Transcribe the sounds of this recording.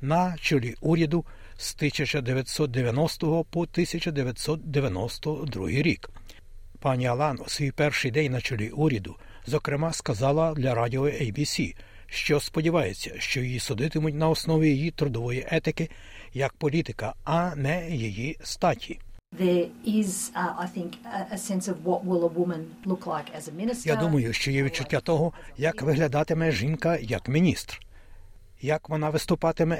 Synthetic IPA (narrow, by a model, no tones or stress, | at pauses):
nɐt͡ʃɔlʲiʔuɾʲɐd̪ʊ | st̪ɪsʲɐt͡ʃɐd̪eʋʲjɐt̪ʲsɔt̪̚d̪eʋʲjɐnɔst̪ɔɦɔpɔt̪ɪsʲɐt͡ʃɐd̪eʋʲjɐt̪ʲsɔt̪̚d̪eʋʲjɐnɔst̪ɔd̪ɾṵɦɪjɾʲik | pɑnʲiɐlˠɑnusʲʋʲijpɛrʃɪjd̪ɛnʲnɐt͡ʃɔlʲiʔuɾʲɐd̪ʊ | zɔkɾɪmɑskɐzɑlˠɐd̪lʲɐɾɑdʲiɔɛjbʲisʲi | ʃt͡ʃɔspɔdʲiʋɑjet͡sʲːɐʃt͡ʃɔjjisʊd̪ɪt̪ɪmʊtʲnɐɔsnɔʋʲijijit̪ɾʊd̪ɔʋɔjiʔɛt̪ɪkɪ | jɐk̚pɔlʲit̪ɪkɐɐnɛjijist̪ɑtʲʰiðə˞ɪza̰ɪθɪ̃ŋkəsɛ̃nsʌvwʌt̚wɪlˠəwʊmə̃n | lʊkʰlˠaɪkɨzəmɪ̃nɨsjad̪umɐjʊʃt͡ʃɔjɛʋʲid̪̚t͡ʃʊtʲːat̪ɔɦɔjɐkʋɪɦlʲɐd̪ɑt̪ɪmɛʒinkɐjɐkmʲinʲist̪r | jɐkʋɔnɑʋɪst̪ʊpɑt̪ɪmɛ